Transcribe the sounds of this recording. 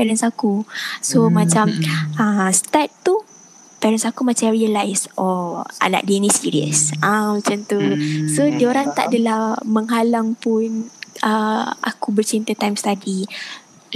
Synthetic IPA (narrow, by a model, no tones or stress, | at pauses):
pɛɾənsakusomãt͡ʃaməst̪at̪t̪u | pɛɾənsakumat͡ʃamɾiəlajsʔɔʔa̰na̰ʔdenisiɾiə̰sãmat͡ʃant̪usodioɾaŋt̪a̰ʔadəlahmə̃ŋɦalaŋpunəa̰kubərt͡ʃent̪ət̪ajmst̪adi